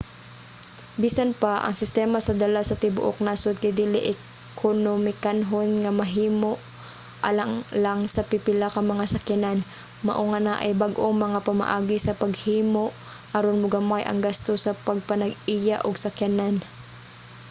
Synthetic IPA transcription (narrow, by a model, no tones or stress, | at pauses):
biːsanpaʔɐ̰ŋsɪst̪ɛːmasɐd̪ɐlasɐt̪ɪbʊ̰ʔo̰k̚naːsod̪̚kajd̪ilɪʔɛ | kʰonomɪkanɦonŋamɐɦiːmoʔ | ʔalaŋlaŋsɐpɪpɪlakɐmɐŋasɐkjanan | ma̰ʔoŋanaʔɐ̰jbaɡʔoŋmɐŋapama̰ʔaːɡɪsɐpɐɡ̚hiːmoʔ | haɾonmʊɡamajʔɐ̰ŋɡast̪osɐpɐɡ̚pɐnɐɡijaʔoɡsakjanan